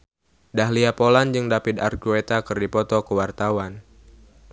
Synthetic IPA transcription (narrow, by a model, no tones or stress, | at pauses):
daɦliapoland͡ʒɨŋdapid̪a̰rkuet̪akɨrdipɔt̪ɔkəwart̪awan